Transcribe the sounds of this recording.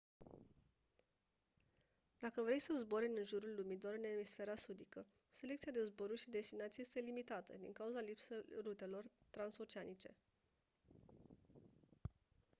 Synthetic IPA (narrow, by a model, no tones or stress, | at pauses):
d̪̥akəvɾe̞jsəzboɾinɨnʒuɾulːumit̪̬oɾɨnemisfe̞ɾasud̪ikə | se̞le̞k̚t̪siad̪e̞zboɾuʃid̪e̞st̪inat̪sijjest̪e̞limit̪at̪ə̰d̪ḭŋkauzalipserut̪e̞lo̞rt̪ɾanso̞t͡ʃeanit͡ʃe̞̰